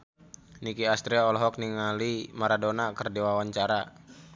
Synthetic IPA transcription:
nikiast̪ɾɛɔlɔɦɔk̚niŋalimaɾadonakərdiwawaɲt͡ʃaɾa

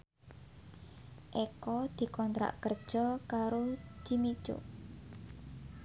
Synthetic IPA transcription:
ʔekɔd̪̥i̤kɔnt̪ɾa̰ʔkərd̥ʒ̥ɔ̤kaɾot͡ʃimit͡ʃo̰

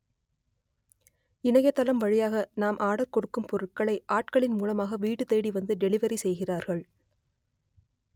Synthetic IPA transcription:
ɪnɐjɐt̪ːɐlɐmʋɐɻɪjaːɣɐnaːmʔaːɽɐɾkɔɽɯkːɯmpɔɾɯʈ̚kɐɭɐɪʔaːʈkɐɭɪnmuːlɐmaːɣɐʋiːʈːɯt̪eːɽiʋɐnd̪ɯɖɛlɪʋɐɾisɛjɣɪraːɾɣɐɭ

